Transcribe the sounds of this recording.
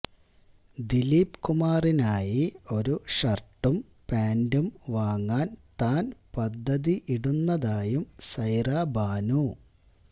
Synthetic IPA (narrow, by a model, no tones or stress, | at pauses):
d̪iliːpkumaːrinaːjio̞ɾuʂɐrʈːum | paːndumʋaːŋːaːnt̪aːnpɐd̪ʱːɐðiʔiɽunːɐðaːjumsɐjraːbaːnu